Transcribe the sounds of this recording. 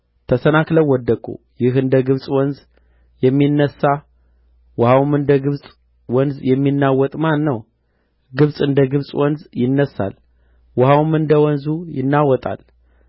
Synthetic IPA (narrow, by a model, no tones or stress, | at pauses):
t̪ʰəsənakləwːɔd̪ːəkʼṵ | jɪɦɨnd̪əɡɨβsʼwɔnz | jɛmːinːəsːa | wʊhawmɨnd̪əɡɨβsʼ | wɔnzjɛmːinːawɔt̪ʼmanːəw | ɡɨβsʼɨnd̪əɡɨβsʼwɔnzjɪnːəsa̰l | wʊhawmɨnd̪əwɔnzujɪ̰nːawɔt̪ʼa̰l